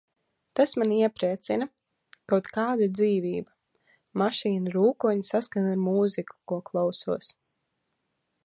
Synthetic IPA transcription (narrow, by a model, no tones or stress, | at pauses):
t̪asmaniɛpɾiɛt̪sina | kawt̪kaːd̪ad̪ziːviːba | maʃiːnuɾuːkuɔɲisaskanaɾmuːziku̥kuɔklˠawsuɔs